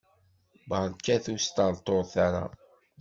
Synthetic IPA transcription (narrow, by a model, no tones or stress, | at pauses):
bəɾˤkːæθust̪əɾt̪ˤːoɾθaɾˤa̰